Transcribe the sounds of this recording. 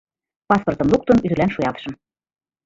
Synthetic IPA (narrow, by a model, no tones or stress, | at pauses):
pɑsport̪ɤ̆mluk̚t̪ɤ̆nyd̪̆lænʃujɑlt̪̆ʃɤ̆m